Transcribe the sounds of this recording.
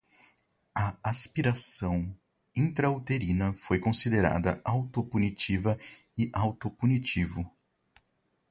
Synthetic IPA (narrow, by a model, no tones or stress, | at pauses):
ɐaspiɾasɐ̃w̃ | ĩt̪ɾɐwt̪eɾĩnɐfojkõsid̪eɾa̰d̪ɐ̰ʔawt̪opunit͡ʃivɐɪʔawt̪opunit͡ʃivʊ